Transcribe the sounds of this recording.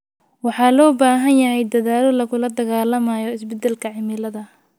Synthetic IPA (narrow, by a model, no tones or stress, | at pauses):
wɑħɑlɔːbaːɦɐnjɐɦɛjd̪ɐðaːlɔlɐɣʊlɐd̪ɐɣaːlɐmajɔɪsbɛd̪ɛlkʰɐʕɪmɪlɐðɐ